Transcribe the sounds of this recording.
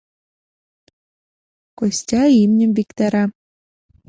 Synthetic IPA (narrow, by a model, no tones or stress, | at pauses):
kosʲtʲɑimnʲɘ̆mbʲikt̪æɾɑ